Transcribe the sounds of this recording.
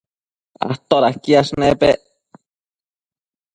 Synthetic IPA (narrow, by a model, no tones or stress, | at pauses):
a̰ht̪oɾahkiasnepeʔ